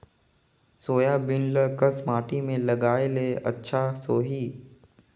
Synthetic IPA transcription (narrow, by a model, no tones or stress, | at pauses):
soːjabɪnləkəsmaːʈimẽlɐɡaːeleɐ̰tːʃʰasoːɦiː